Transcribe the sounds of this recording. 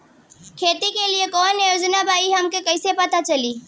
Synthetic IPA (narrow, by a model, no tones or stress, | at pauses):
kʰeːt̪ikeliekɔːnjoːd͡ʒnabʱaːiɦɐmkekəɪsepət̪at͡ʃɐliː